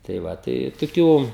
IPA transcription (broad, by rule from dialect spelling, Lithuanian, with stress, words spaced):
tɐɪ ˈʋɐ tɐɪ toːˈkʲuː